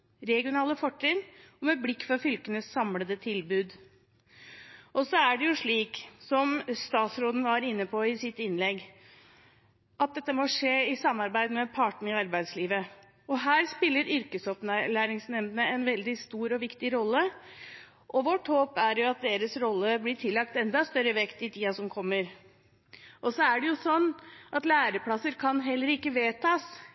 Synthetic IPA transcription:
ɾɛɡɪʊnɑːləfɔʈːɪnɔmɛblɪkːfɾɑfʏlkənəsːɑmləd̪ət̪ʰɪlbʉːd̪ | ʔɔsɔæɖɛjʊʂɭiːksɔmst̪ɑːt̪sɾoːd̪n̩ʋɑɾɪnːəpʰɔɪsɪt̪ɪnːlɛɡː | ʔɑt̪̚d̪ɛt̪ːəmɔʂeːɪsɑmːɑɾbæɪd̪mɛpʰɑʈɳ̩ɪɑɾbæɪd̪sliːʋə | ɔɦæːɾspɪlːəɾʏɾkəsɔpnælæːɾɪŋsnɛmd̪ənəɛnʋɛld̪ɪst̪uːɾɔʋɪkt̪ɪɾɔlːə | ʔɔʋɔʈhoːpæɾjʊɑt̪̚d̪eːɾəsɾɔlːəblɪʈʰɪlːɑk̚t̪ɛnd̪ɑst̪œɾəʋɛkt̪ɪt̪ʰiːɑsɔmkʰɔmːəɾ | ʔɔsɔæɖɛjʊsɔnːʔɑt̪læːɾəpʰlɑsːəɾkʰɑnɦɛlːəɾɪkːəʋeːt̪ʰɑːs

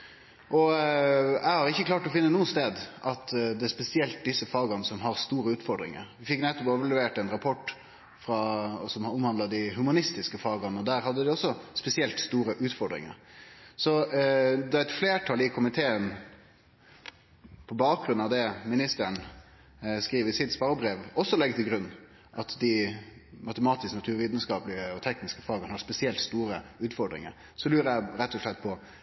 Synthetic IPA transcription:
ʔɔ | ɛɪhɑɾɪçːəklɑːʈɔfɪnːənuːənst̪eːd̪ʔɑt̪d̪ɛæspɛsɪɛlt̪̚d̪ɪsːəfɑːɡɑnəsɔmɦɑʁst̪uːɾəʉːt̪fɔɾɖɾɪ̰ŋə̰ɾʋɪfɪkːnɛt̪ːɔpɛʋɑlɛʋeːʈɛnɾɑpʰɔʈː | fɾɑsɔmʊmhɑnd̪lɑd̪ɪɦʉmɑnɪst̪ɪskəfɑːɡɑnəɔd̪æːɾhɑd̪ːəd̪ɪɔsːɔspɛsɪɛlt̪st̪uːɾəʔʉːt̪fɔɖɾɪ̰ŋə̰ɾsɔ | d̪ɑæɛt̪fleːʈʰɑlɪkʰʊmɪt̪ʰeːən | pʰɔbɑːk̚ɡɾʉnɑʋd̪ɛmɪnɪst̪əɳ | skɾiːʋəɪsɪd̪spɑəbɾeːʋɔsːɔlɛɡt̪ʰɪɡɾʉnː | ʔɑt̪d̪ɪmɑt̪əmɑːt̪ɪsknɑt̪ʰʉːɾʋiːd̪nəskɑːplɪəɔt̪ʰɛknɪskəfɑːɡənhɑspɛsɪɛlt̪st̪uːɾəʉːt̪fɔɖɾɪ̰ŋə̰ɾ | sɔlʉːɾəæɾɛt̪ʰːɔʂlɛt̪̚ːpʰɔ

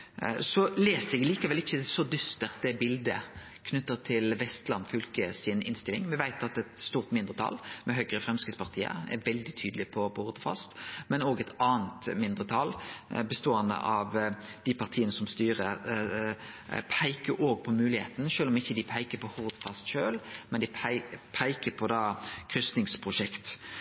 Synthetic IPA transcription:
sɔleːsəɛɡliːkəʋɛlɪçːəsɔd̪ʏst̪əʁt̪ɛbɪld̪ə | kʰnʉt̪ːəʁt̪ʰɪlʋɛst̪lɑnfʏlkəsɪnɪ̰nst̪ɪlɪ̰ŋʋɪʋæɪt̪ɑt̪ɛt̪st̪uːʁt̪mɪnd̪ɾət̪ʰɑ̰lmɛɦœɡɾəfɾʁɛmskɪspʰɑʁt̪ʰiːə̰ɾɛ̰ʋɛld̪ɪt̪ʰyːd̪lɪpʰɔpʰɔhʊʁd̪əfɑ̰st̪mɛnoːɡɛt̪ɑːənt̪mɪnd̪ʁət̪ʰɑlbəst̪oːɑnə̰ʔɑʋd̪̥ɪpʰɑʁt̪ʰiːənəsɔmst̪yːʁə | pʰæɪkəɾoːɡ̚pʰɔmʉːlɪhḛːt̪n̩ʃøːlɔmɪçːəd̪ɪpʰæɪkəpʰɔhʊʁd̪əfɑst̪ʃøːlmɛnd̪ɪpʰæɪkəpʰɔd̪ɑːkʰʁʏsnɪŋspʰʁʊʂɛkt̪

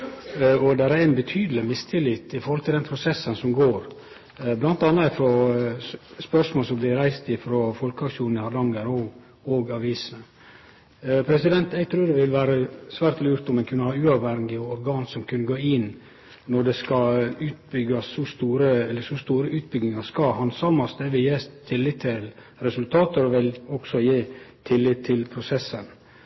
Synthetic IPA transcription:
ɔd̪ɛɾæɛnbət̪ʰyːd̪əlɪmɪst̪ʰɪlɪt̪ɪfɔɾhɔlt̪ɪld̪ɛnpʰɾʊsɛsːənsɔmɡoːɾ | blɑnt̪ɑnːɑɪfɾɔ | spœʂmoːlsɔmblɪɾæɪst̪ɪfɾɔfɔlkəɑkʂuːnn̩ɪhɑd̪ɑŋːəɾɔɡ | oɡɑʋiːsənə | pʰɾɛsɪd̪ɛnt̪ɛɪɡt̪ʰɾʉːɖ̪ɛʋɪlʋæːɾəsʋæːɾt̪lʉːɾt̪ɔmɛɪnkʰʉnːəhɑːʉːɑʋhɛŋɡɪɔɾɡɑːnsɔmkʰʉnːəɡoːɪn | nɔɖɛskɑʉːt̪̚bʏɡɑsɔst̪uːɾəɛlːəsɔst̪uːɾəʉːt̪̚bʏɡnɪŋɑskɑhɑnsɑːmɑsd̪ɛʋɪjeːst̪ʰɪlːɪtt̪ʰɪl | ɾɛsʉlt̪ʰɑːt̪əɾɔʋɪlɔksɔjeːt̪ʰɪlːɪtt̪ʰːɪlpʰɾʊsɛsən

